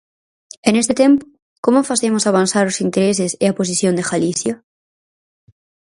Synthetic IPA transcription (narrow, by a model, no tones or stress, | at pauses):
enest̪et̪ẽmpʊ̥ | komofaθemosaβ̞anθaɾosint̪eɾes̬eseapos̬iθjond̪exaliθja